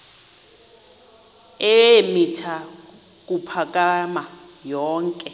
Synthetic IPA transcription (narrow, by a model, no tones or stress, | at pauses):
ɛemitʰa | k̬ʼupʰakʼama | jɔːŋkʼɛ